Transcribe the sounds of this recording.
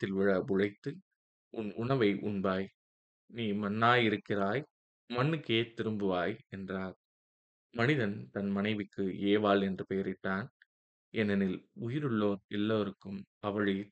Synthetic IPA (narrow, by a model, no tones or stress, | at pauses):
t̪ːɪlʋɪɻɐʋʊɻɐɪt̪ːɯ | ʔʊnʊɳɐʋɐɪʔʊɳbaːj | niːmɐnːaːjɪɾɯkːɪraːj | mɐnːɯkːeːt̪ɪɾɯmbɯʋaːjɛndraːɾ | mɐnɪðɐnt̪ɐnmɐnɐɪʋɪkːɯeːʋaːlɛndrɯpɛjɐɾɪʈːaːn | ʔɛnːɐnɪlʊjɪɾɯɭːoːɾɛlːɐʋɐɾɯkːɯmɐʋɐɻi